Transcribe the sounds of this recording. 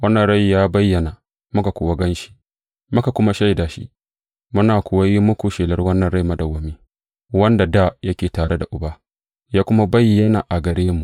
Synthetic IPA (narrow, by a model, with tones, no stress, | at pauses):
wɐ˦nːɐ˨nɽa˦jjaː˦bɐ˦jːɐ˨na˨ | mʊ˦ka˨kʷʊː˨wa˦ɡɐ˦nʃi̥˦ | mʊ˦ka˨kʷʊ˦ma˦ʃa˦jdaː˨ʃḭ˦ | mʊ˦naː˨kʷʊ˨wa˦ji˦mʊ˦kʷu˨ʃeː˨lɐ˦rwɐ˦nːɐ˨nɽa˦jmɐ˦dɐ˨wɐ˨miː˦ | wɐ˦nda˨daː˦˨jɐ˦kʲeː˨taː˨ɽe˦da˨ʔʊ˨baː˦ | jaː˦kʷʊ˦ma˦bɐ˦jːɐ˦na˨ʔa˨ɡɐ˨ɾeː˦mːu˨ʔ